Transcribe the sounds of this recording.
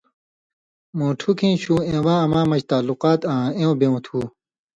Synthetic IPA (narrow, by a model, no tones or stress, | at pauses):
mõːʈʰukʰĩːɕuːẽːwãːɐmãːmɐɕt̪aːluqaːt̪ãːẽːõbẽũt̪ʰuː